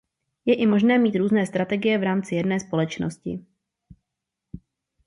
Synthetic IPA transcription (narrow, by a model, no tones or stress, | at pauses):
jɛʔɪmo̞ʒnɛːmiːt̪ɾuːznɛːst̪ɾat̪ɛɡɪjɛvɾaːmt͡sɪjɛdnɛːspo̞lɛt͡ʃno̰scɪ̰